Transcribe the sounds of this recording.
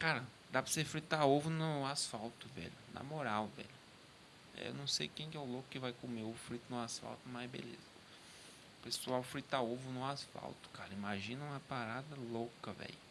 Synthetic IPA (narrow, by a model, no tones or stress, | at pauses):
kaɾɐ | d̪apɾɐsefɾit̪aovʊnʊasfawt̪ʊvɛ̰ʎʊnɐ̰moɾawvɛ̰ʎʊ̰ | ḛwnɐ̃w̃sejkẽj̃kɛʊlokʊkɪvajkõmeʊfɾit̪ʊnʊasfa̰wt̪ʊmajbḛlḛzɐ | pesuawfɾit̪aovʊnʊasfa̰wt̪ʊ̥kaɾɐimaʒĩnɐ̃ũmɐpaɾad̪ɐlokɐvɛ̰lʊ